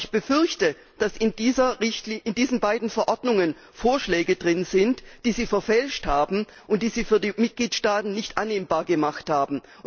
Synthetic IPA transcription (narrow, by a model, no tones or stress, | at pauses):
çb̥əfʏɐçtə | d̥asɪndiːzɐʁɪçtlɪndiːzn̩baɪdn̩fɛɐʔɔɐdnʊŋən | foːɐʃlɛːɡədʁɪnz̥ɪntd̥iːziːfɛɐfɛlʃthaːbm̩ | ʔʊnt̚d̥iːziːfyːɐdiːmɪt̚ɡ̥liːtʃtaːtn̩nɪçtʔanːeːmbaːɐɡəmaχthaːbm̩